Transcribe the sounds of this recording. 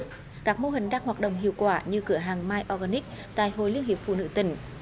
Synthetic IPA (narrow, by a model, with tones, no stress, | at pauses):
kaː˦˥k̚mo˧ɦï˨˩ŋ̟ɗaː˧ŋhwaː˨˩t̚ɗə̰˧˨wŋ͡mɦḭ˧˨əwkwaː˧˩ɲɨ˧kɨ˧˩əɦaː˨˩ŋmaː˧jʔɔ˧ɣaː˧ni˦˥k̚ | t̪a̰ː˧˨jho̰˧˨jli˧əŋhi˨˩əp̚fṵ˧˨nɨ̰˧˥t̪ï˧˩ŋ̟